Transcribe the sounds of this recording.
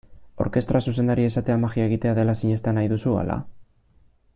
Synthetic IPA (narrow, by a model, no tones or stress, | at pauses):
o̞̰ɾke̞st̪ɾasuse̞nd̪aɾie̞sat̪e̞amaxiae̞ɣ̞it̪e̞aðe̞lasiɲe̞st̪eanajðusua̰la̰